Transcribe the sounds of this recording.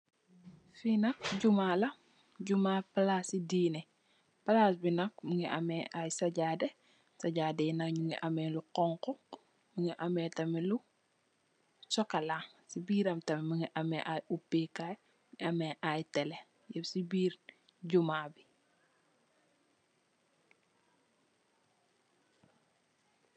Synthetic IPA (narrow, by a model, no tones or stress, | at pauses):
finɐk̚ɟumaːlɐ | ɟumaːpɐlasidiːnɛ | pɐlasbinɐk̚məŋiʔɐmɛʔajsɐɟaːdɛ | sɐɟaːdɛnɐkɲuŋiʔɐmɛːluqɔŋkɔ | məŋiʔɐmɛːtɐmilu | sɔkɐlaŋ | sibiːɾɐmtɐmiməŋiʔɐmɛʔajupːikaj | ŋiɐmɛʔajtɛlɛ | jɛpsibiːɾ | ɟumaːbi